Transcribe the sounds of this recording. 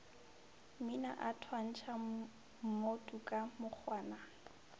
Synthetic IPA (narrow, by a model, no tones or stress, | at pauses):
mɪna̰ʔatʰwan̩t͡ʃʰa | m̩motʼukʼamʊk͡xʰwaːna